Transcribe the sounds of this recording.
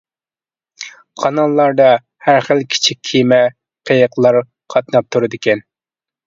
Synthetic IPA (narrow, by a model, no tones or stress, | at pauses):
qʰɑnɑlˠlːɑɾd̪ɑ | hæɾχəlˠkʲʰi̥t͡ʃʰikʲkʰːijmɛ | qʰejəqlˠɑɾ | qʰɑt̪̚nɑp̚t̪ʰuɾɨd̪ɪkʲɛn